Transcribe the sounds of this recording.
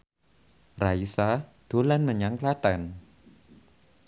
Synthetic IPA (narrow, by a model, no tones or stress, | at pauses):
raisad̪̥o̤lanməɲaŋklat̪an